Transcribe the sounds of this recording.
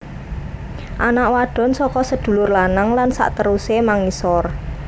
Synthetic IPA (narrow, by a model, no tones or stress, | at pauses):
ʔanaʔwaɖ̥ɔ̤nsɔkɔsəd̪̥ṳlʊrlanaŋlansa̰ʔt̪əɾusemaŋisɔr